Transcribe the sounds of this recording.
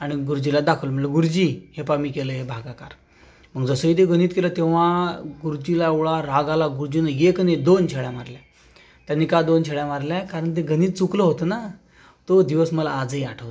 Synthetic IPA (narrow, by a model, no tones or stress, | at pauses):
aɽ̃iɡuɾd͡ʑilad̪akʰəʋlm̤əɭləɡuɾd͡ʑiɦepamiːkeləɦebʱaɡakaɾ | m̤əɡd͡zəsəit̪eɡʱəñiːt̪kelət̪eʋ̤aɡuɾd͡ʑilaeʋɭaɾaɡalaɡuɾd͡ʑinəjekned̪ont͡ɕʰeɽjamaɾlja | t̪janːikad̪ont͡ɕʰeɽjamaɾljakaɾəɳt̪̬eɡəniːt̪t͡sukləɦot̪əna | t̪od̪iʋəsməlaːd͡zəiaʈʰəʋt̪ə